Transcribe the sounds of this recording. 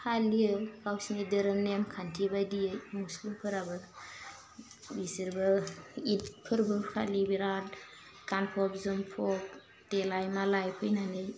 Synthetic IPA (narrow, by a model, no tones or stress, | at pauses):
kʰaliɯkawsinidɯɾɯmnemkʰantʰibajdijɯmuslimpʰɯɾabɯ | bisiɾbɯit̚pʰɯɾbɯkʰa̰libiɾat̚ | kanpʰɔp̚zɯmpʰɔp̚ | telajmalajpʰɯjnanɯj